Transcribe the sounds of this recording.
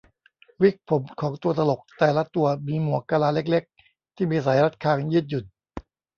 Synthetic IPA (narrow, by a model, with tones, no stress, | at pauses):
wi˦˥k̚pʰo˩˦mkʰɔː˩˦ŋt̪u˧ɐt̪a˧lo˨˩k̚t̪ɛː˨˩la˦˥t̪u˧ɐmiː˧mu˨˩ɐkaː˧laː˧le˦˥k̬̚le˦˥k̚ | t̪ʰiː˥˩miː˧saː˩˦jɾa˦˥t̪̚kʰaː˧ŋjɯː˥˩t̪̚ju˨˩t̪̚